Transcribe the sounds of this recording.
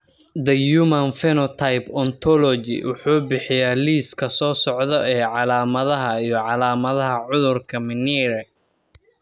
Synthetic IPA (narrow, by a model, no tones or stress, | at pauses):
d̪ɐjumɐnfɛnɔt̪ʰɐjbɔnt̪ʰɔlɔd͡ʒɪ̰wʊ̰ħuːbɪħɪjaːliːskʰɐsɔːsɔʕðɔɛːʕɑlaːmɐðɐɦɐijɞʕɑlaːmɐðɐɦɐʕʊðʊrkʰɐmɪnɛːɾɛ